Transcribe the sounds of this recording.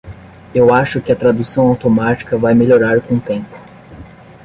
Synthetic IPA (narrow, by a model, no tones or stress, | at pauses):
ewaʃʊkɪɐt̪ɾad̪usɐ̃w̃awt̪omat͡ʃi̥kɐvajmeʎoɾaɾkõt̪ẽmpʊ̥